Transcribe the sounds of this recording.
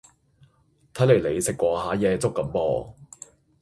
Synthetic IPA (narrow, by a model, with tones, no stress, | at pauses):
t̪ʰɐ˨˥jle˨˩jle˨˧jsɪ˨kːʷɔː˨˧haː˨˥jɛː˧t͡sʊ˥kːɐ˨˥˦mpɔ̰ː˧